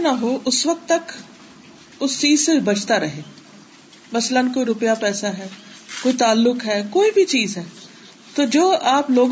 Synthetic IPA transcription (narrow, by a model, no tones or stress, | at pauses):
naɦoːʔʊsʋɐk̚t̪ːɐk | ʊst͡ʃiːzsebɐt͡ʃʰt̪aɾɐɦeː | mɐslənkoːiɾʊpjapɛːsaɦɛː | koːit̪aːlːʊkɦɛːkoːibʱit͡ʃiːzɦɛː | t̪oːd͡ʒoːaːploːɡ